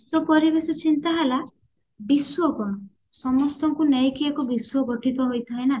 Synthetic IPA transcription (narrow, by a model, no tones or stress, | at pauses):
sɔpɔɾibesɔt͡ʃint̪aɦala | biswɔkɔɽ̃ɔ | sɔmɔst̪ɔŋkunejkiekubiswɔɡɔʈʰit̪ɔɦojt̪ʰaena